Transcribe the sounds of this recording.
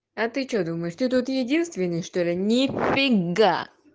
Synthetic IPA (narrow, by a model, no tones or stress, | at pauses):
ɐt̪ɨt͡ɕod̪uməjɪʂt̪ɨt̪̬ut̪jɪdʲinst̪vʲɪnʲːəjʂt̪olʲɪnʲɪfʲɪɡa̰